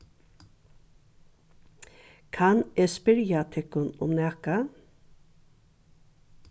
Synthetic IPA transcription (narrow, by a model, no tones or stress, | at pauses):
kʰɑneːspɪɾjat̪ʰɛkʊnʊ̰mnæːka